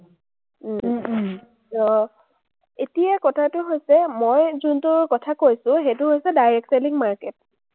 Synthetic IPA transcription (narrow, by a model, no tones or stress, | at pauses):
ɔ | etijakɔtʰatʊɦojsɛmojzuntʊɹkɔtʰakojsʊ̃ɦejtʊɦojsɛdajɹɛk̚seliŋmaɹkɛt̚